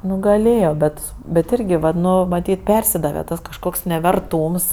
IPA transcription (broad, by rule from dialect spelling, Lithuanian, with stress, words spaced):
ˈnʊ ɡɐˈlʲeːjoː ˈbʲɛt bʲɛt ˈɪrʲɡʲɪ ʋɐt ˈnʊ mɐˈtʲiːt ˈpʲɛrʲsʲɪdɐʋʲɛ ˈtɐs kɐʃˈkoːks nʲɛʋʲɛrˈtuːms